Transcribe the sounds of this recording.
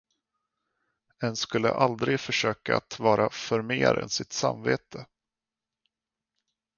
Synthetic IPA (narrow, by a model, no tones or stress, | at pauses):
ɛnskɵlːə̰ʔald̪ɾɪɡfœʂøːkaat̪vɑːɾafœɾmeːɾɛ̰nsɪt̪sa̰mveːt̪ʰə